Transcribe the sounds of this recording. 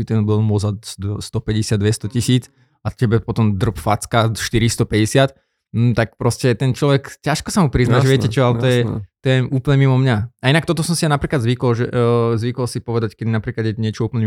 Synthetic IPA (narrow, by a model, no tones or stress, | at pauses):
it̪ɛnbilmɔzad̪st̪ɔpɛɟɛsɪad̪ʋɛst̪ɔcisiːt͡s | acɛbɛpɔt̪ɔmd̪r̩pfat͡skaʃt̪iɾist̪ɔpɛɟɛsɪat̪ | m̩t̪ak̚pɾɔscɛt̪ɛnt͡ʃlɔʋɛkcaʃkɔsamupɾiznaʒɛʋɛɛt͡ʃɔalɛt̪ɔjɛt̪ɔjɛuːpl̩ɲɛmimɔmɲaainak̚t̪ɔt̪ɔsɔmsianapɾiːklad̪zʋikɔlʒɛʔzʋikɔlsipɔʋɛd̪ackɛd̪inapɾiːklad̪jɛɲɪɛt͡ʃɔuːpl̩ɲɛ